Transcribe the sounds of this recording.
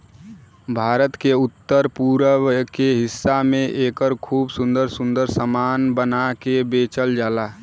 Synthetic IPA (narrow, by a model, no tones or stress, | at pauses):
bʱaːɾət̪keut̪ːəɾpuɾəkeɦɪsːamẽʔeːkəɾkʰuːbsund̪əɾsund̪əɾsəmanbənakebet͡ʃəld͡ʒaːla